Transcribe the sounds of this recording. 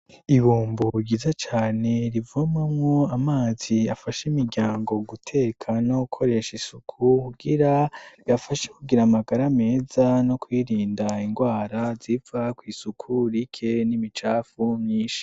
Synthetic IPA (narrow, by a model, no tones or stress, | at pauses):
iβuːmbuɟiːzat͡ʃaːne̞ɾivumamŋo̞amaːz̥iafaʃimiɾɟaːŋɡo̞ɡutʰe̞ːkʰanoukʰo̞ɾe̞ʃisukʰukuɡiɾaβafaʃekuɡiɾamaɡaɾame̞ːzano̞kwiːɾiːndaiŋɡwaːɾazivakwiːsukʰuɾikʰe̞nimit͡ʃaːfumɲiːʃi̥